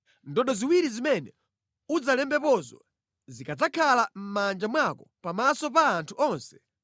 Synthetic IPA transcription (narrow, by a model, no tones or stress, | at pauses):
ndɔɗɔziwiɾizimɛnɛ | ud͡zalɛmbɛpɔzwa | zikad͡zakʰalam̩mand͡ʒamwakɔpamasɔpaːntʰuɔːnsɛ̥